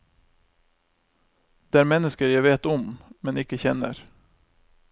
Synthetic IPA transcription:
d̪̥eːæːɾmɛnəskəɾjæɪʋeːt̪ɔmmɛnɪkəçɛnə̰ɾ

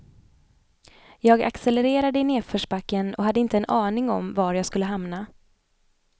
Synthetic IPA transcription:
jɑːɡa̰ksɛlɛɾeːɾad̪əɪneːfœːʂbakːənɔɦad̪ːəɪnt̪əɛnɑːnɪŋɔ̰mvaɾjɑːɡskɵlːəɦamna

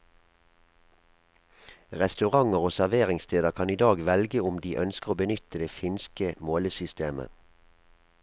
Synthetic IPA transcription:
ʁɛst̪ʉʁɑŋəʁoːsæʁʋeːʁɪŋst̪ʰeːd̪əʁkʰɑniːd̪ɑːɡʋɛlɡəʊmd̪iːʔœnskəʁoːbənʏt̪əd̪eːfɪnskəmoːləsʏst̪eːmə̰

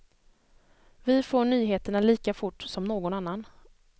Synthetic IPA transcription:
vɪfoːɳyːɦeːt̪əɳaliːkafʊʈːsɔmnoːɡɔnanːan

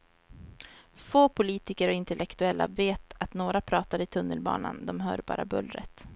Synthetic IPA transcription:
foːpʰʊliːt̪ɪkəɾɔɪnt̪ɛlɛkt̪ɵɛlːa̰veːt̪at̪noːɾapʰɾɑːt̪ad̪ɪt̪ʰɵnːəlbɑ̰ːna̰nd̪ɔmɦœːɾbɑ̰ːɾʔabɵlɾət̪

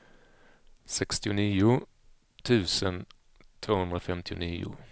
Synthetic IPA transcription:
sɛkst̪ɪʊniːʊ | t̪ʰʉ̟ːsən | t̪ʰvoːhɵnd̪ɾafɛmt̪ʰɪʊniːʊ̰

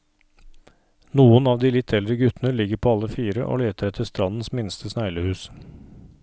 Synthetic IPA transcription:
nuːənɑːʋd̪iːlɪt̪ʰɛld̪ɾəɡʉt̪ənəlɪɡəɾpʰoːɑlːəfiːɾəʔo̰ːleːt̪əɾɛt̪ʰəst̪ɾɑnn̩smɪnst̪ʰəsnæɪləhʉːs

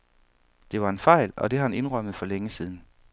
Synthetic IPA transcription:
d̥e̝ʋɑ̈e̝nfɑ̈ɪ̰lɒ̽d̥e̝hɑ̈hæne̝nʁœm̰əð̞̩ˠfɒ̽leŋəsiːð̞ˠn̩

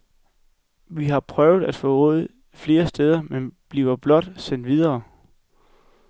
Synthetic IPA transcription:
ʋiɦɑ̈pʰʁœʊð̞̩ˠæd̥fɔɔð̩ˠ | fle̝ːɐsd̥eð̞ˠɐmenb̥liːʊɐb̥lɒ̽d̥sen̰d̥ʋið̞ˠɐː

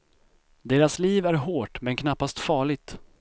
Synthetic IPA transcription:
d̪eːɾasliːvæɾɦoːʈmɛnkʰnapːast̪fɑːɭɪɡ̚t̪

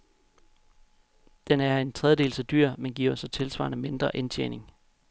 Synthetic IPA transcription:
d̥enæɐe̝nt͡sʰʁɛðˠəd̥e̝ːlsæd̥yɐ̰menɡ̥iɐ̰ɒsɒ̽t͡sʰe̝lsʋɑ̰̈nəme̝nd̥ʁɐʔent͡ɕʰḛːne̝ŋ

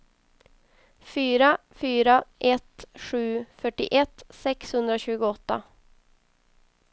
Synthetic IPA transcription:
fyːɾa | fyːɾaʔɛt̪ʂʉ̟ːfœʈːɪ̰ʔɛt̪ːsɛkshɵnd̪ɾaɕʉ̟ːɡʊɔt̪ːa

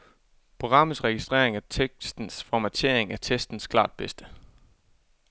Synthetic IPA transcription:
pʰʁo̝ɡ̥ʁɑ̈m̰əsʁɛɡ̥isd̥ʁḛɐ̰e̝ŋæɐt͡sʰeɡsd̥n̩sfɒmæt͡sʰe̝ɐ̰e̝ŋæɐt͡sʰesd̥n̩skʰlɑ̰̈ːd̥̚b̥esd̥ə

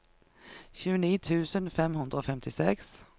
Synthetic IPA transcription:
çʉːəniːt̪ʰʉːsənfɛmɦɵnd̪ɾəoːfɛmt̪ʰɪsɛks

